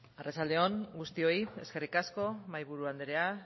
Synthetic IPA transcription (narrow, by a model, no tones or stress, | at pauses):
aret͡sald̪e̞o̞ŋɡust̪io̞ie̞ske̞rikasko̞majβuɾuand̪eɾe̞a